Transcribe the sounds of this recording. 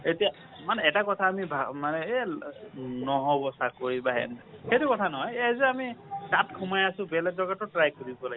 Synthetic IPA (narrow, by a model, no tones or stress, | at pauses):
etija | manɛːtakɔtʰaːmibʱamanɛ | nɔɦɔbɔsakoɹibaɦɛ̰nxejtʊkɔtʰanɔɦɔjzɛamitat̚kʰumajasʊ̃bɛlɛk̚dɔkatʊtɹajkoɹibɔlaɡ